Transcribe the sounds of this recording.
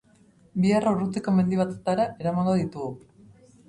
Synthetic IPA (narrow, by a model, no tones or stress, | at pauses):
biaraurut̪eko̞me̞nd̪iβat̪et̪aɾaʔe̞ɾamaŋɡo̞ðit̪uɣu